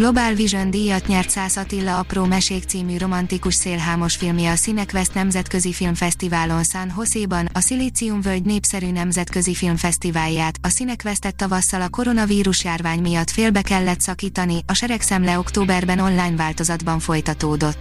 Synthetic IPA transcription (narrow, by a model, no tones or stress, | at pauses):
ɡlo̞baːlviʒond̪iːjɒt̪ɲɛrt̪saːsɒt̪ilːɒɒproːmɛʃeːkt̪siːmyːro̞mɒnt̪ikuʃseːlɦaːmo̞ʃfilmjɛːsinɛkvɛst̪nɛmzɛt̪kø̞zifilmfɛst̪ivaːlo̞nsanɦo̞seːbɒnɒsiliːt̪siumvølɟneːpsɛɾyːnɛmzɛt̪køzifilmfɛst̪ivaːljaːt̪ɒsinɛkvɛst̪ɛt̪ːɒvɒsːɒlɒko̞ɾo̞nɒviːɾuʃjaːrvaːɲmijɒt̪ːfeːlbɛkɛlːɛt̪sɒkiːt̪ɒniɒʃɛɾɛksɛmlɛo̞kt̪oːbɛrbɛno̞nlaːjnvaːlt̪o̞zɒd̪bɒɱfo̞jt̪ɒt̪oːd̪o̞t̪ː